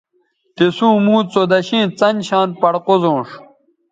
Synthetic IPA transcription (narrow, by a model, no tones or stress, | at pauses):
t̪isũːmũːt͡sod̪ɐɕĩːt͡sɐnɕaːnpɐɽqozõːʂ